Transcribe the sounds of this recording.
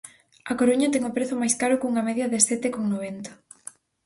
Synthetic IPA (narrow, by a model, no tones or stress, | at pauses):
ɐkoɾuɲɐt̪ɛŋʊpɾeθʊmajskaɾʊkuŋɐmɛðjɐðesɛt̪ɪkoŋnoβent̪ɐ̥